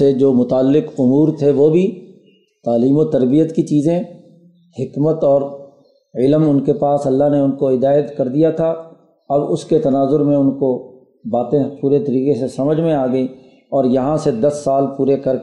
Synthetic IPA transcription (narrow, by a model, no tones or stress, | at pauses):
ed͡ʒoːmʊt̪aːlːɪqʊmuːɾt̪ʰeʋobʱi | t̪aːliːmot̪ɐɾbijət̪kit͡ʃiːzẽ | hɪkmət̪ɔːɾ | ɪlmʊnkepaːsɐlːaɦneʊnkoɦɪd̪aːjət̪kɐɾd̪ijat̪ʰa | ɐbʊsket̪ɐnaːzʊɾmẽʊnko | baːt̪ẽpuːɾet̪ɐɾiːqesesɐməd͡ʒʱmẽaːɡəi | ɔːɾjɐɦãsed̪ɐsːaːlpuːɾekɐɾ